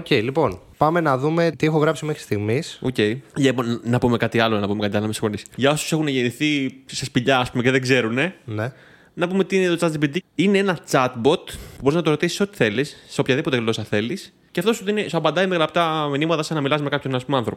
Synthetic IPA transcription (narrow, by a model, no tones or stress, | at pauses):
oceilipo̞n | pɐme̞nɐðume̞t̪iexoɣɾɐpsimexɾi̥st̪iɣmisoce̞iʝɐponɐpume̞kɐt̪iɐlonɐpume̞kɐt̪iɐlomesi̥ŋfo̞nisʝɐo̞su̥sexuneʝeniθisespiʎɐːspumeceðeɡze̞ɾune̞ne | nɐpumet̪iinet̪o̞t͡sɐt̪zipid̪iineenɐt͡sɐt̪bo̞t̪puboiznɐt̪oɾo̞t̪isi̥so̞t̪i̥θe̞lisːeopçɐðipo̞t̪elo̞sɐθe̞lis | ceft̪o̞suðinesɐbɐnd̪ɐimelɐɐpt̪ɐminimɐt̪ɐsɐnɐmilɐsmekɐpçonɐspumeɐnθɾo̞p